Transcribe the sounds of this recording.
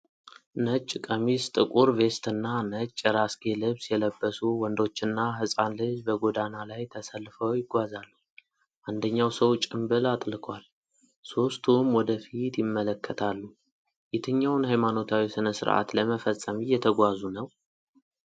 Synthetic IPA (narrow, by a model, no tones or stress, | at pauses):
nət͡ʃʼːkʼəmist̪ʼɨkʼuɾve̞st̪ɨnːanət͡ʃʼːɾasɡe̞lɨβsjɛləbːəsuwɔnd̪o̞t͡ʃːɪnːaɦɨsʼanlɨd͡ʒbəɡod̪analajt̪ʰəsəlːfəwjɪɡʷazalːu | ʔand̪əɲːawsəwt͡ʃʼɪmbɨlat̪ʼlɨkʰwal | so̞st̪ʰumwɔd̪əfit̪jɪmːələkːət̪ʰalːu | jɛt̪ʰɨɲːawnhajmano̞t̪ʰawisɨnəsɨ̰ɾʔa̰t̪ləməfəsʼːəmijɛt̪ʰəɡʷazunəw